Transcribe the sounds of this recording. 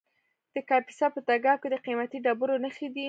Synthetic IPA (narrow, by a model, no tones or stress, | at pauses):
d̪̥əkɑpi̥sɑpət̪aɡɑkod̪əqimat̪iɖabuɾonəxed̪i